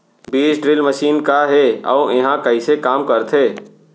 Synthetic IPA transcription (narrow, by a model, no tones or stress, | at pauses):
biːsɖɾɪlməʃiːnkaɦeɔ̰ueɦãkəisekaːmkəɾt̪ʰeː